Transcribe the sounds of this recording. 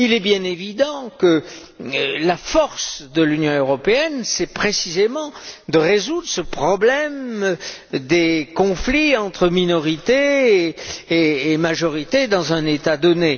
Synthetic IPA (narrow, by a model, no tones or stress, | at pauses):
ilɛbjɛ̃nevid̪ɑ̃kə | lafɔʁsd̪əlynjɔ̃øʁɔpeɛnsɛpχesizemɑ̃d̪əʁezud̪ʁəsəpχɔblɛm | d̪ekɔ̃fliɑ̃t̪χəminɔʁit̪e | maʒɔʁit̪ed̪ɑ̃zɛ̃net̪ad̪ɔne